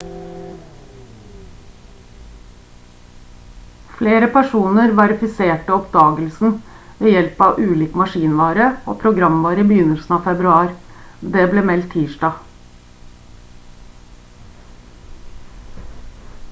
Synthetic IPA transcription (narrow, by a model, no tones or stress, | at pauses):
fleːɾəpʰæʂuːnəɾʋɑɾɪfɪseːʈəɔpd̪ɑːɡəlsn̩ʋeːjɛlpɑʋʔʉːliːkmɑʂiːnʋɑːɾəo̰ːpʰɾʊɡɾɑmʋɑːɾəbəjʏnəlsn̩ɑːʋfɛbɾʉɑːɾd̪ɛːbleːmɛlt̪ʰːiːʂɖɑː